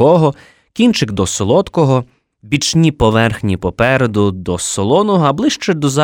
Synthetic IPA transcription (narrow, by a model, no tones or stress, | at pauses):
ɔɦɔ | kʲint͡ʃɪɡd̪ɔsɔlˠɔt̪kɔɦɔ | bʲit͡ʃnʲipɔʋɛrxnʲipɔpɛɾed̪ʊd̪ɔsɔlˠɔnɔɦɔɐblˠɪʃt͡ʃɛd̪ɔzɑ